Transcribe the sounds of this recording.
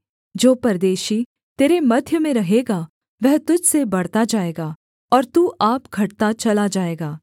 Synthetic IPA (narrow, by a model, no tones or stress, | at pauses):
d͡ʒoːpɐɾd̪eːʃi | t̪eːɾemɐd̪ʱjəmẽɾɐɦeːɡa | ʋɛɦt̪ʊd͡ʒʱsebɐɽ̤t̪ad͡ʒaːeːɡaː | ɔːɾt̪uːʔaːpɡʱɐʈt̪at͡ʃɐlad͡ʒaːeːɡaː